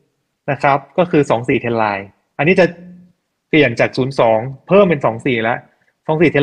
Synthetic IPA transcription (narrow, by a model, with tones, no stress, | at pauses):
na˦˥kʰɾa˦˥p̚kɔː˥˩kʰɯː˧sɔː˩˦ŋsiː˨˩t̪ʰe˧nlaː˧j | ʔa˧nːiː˦˥t͡ɕa˨˩ | pli˨˩ənt͡ɕaː˨˩k̚suː˩˦nsɔː˩˦ŋpʰɤː˥˩mpe˧nsɔː˩˦ŋsiː˨˩lɛ˦˥ʔ | sɔː˩˦ŋsiː˨˩e˧